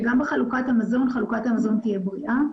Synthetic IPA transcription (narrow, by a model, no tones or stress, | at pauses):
ɡambeχalukat̪hamazo̞nχalukathamazo̞nt̪ijebʁiʔa